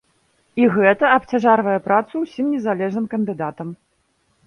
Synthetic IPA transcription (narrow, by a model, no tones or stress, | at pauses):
iɣɛt̪ɐɐp̚t͡sʲaʐarvɐjɛpɾat̪suwsʲimnʲɛzalʲɛʐnɨmkɐnd̪ɨd̪at̪ɐm